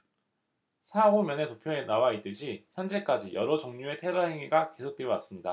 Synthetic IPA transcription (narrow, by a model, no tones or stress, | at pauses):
sʰaomjʌne̞topʰjoenawait͈ɯɕʰiçjʌnd͡ʑe̞k͈ad͡ʑijʌɾod͡ʑoŋɲue̞tʰe̞ɾʌɦe̞ŋiɡake̞sʰok̚t͈wewas͈ɯmɲida